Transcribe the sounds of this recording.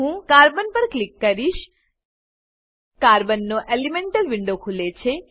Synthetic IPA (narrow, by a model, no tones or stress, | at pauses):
ɦũkaɾbənpəɾklɪkːəɾiʃ | kaɾbənːoʔelimeɳʈəlʋɪɳɖokʰulet͡ʃʰe